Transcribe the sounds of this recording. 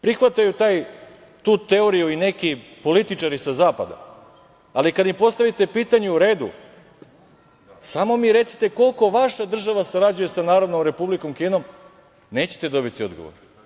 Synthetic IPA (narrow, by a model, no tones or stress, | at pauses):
pɾixʋat̪ajut̪aːj | t̪uːt̪e̞o̞ɾijuine̞kipo̞lit̪it͡ʃaɾisazaːpad̪a̰ | alikad̪impo̞st̪aʋit̪e̞piːt̪aɲeuɾe̞ːd̪ṵ | samo̞miːɾe̞t̪si̥t̪e̞ko̞lko̞ʋaʃad̪r̩ʒaʋasaɾad͡ʑuje̞sanaːɾod̪no̞mɾe̞publiko̞mkiːno̞m | ne̞ːt͡ɕet̪e̞d̪o̞bit̪io̞d̪ɡo̞̰ʋo̰ɾ